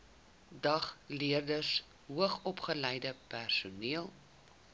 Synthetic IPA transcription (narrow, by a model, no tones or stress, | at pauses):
dɐχliərdəs | ɦuəχɔpχəlɛjdəpærsuniəlˠ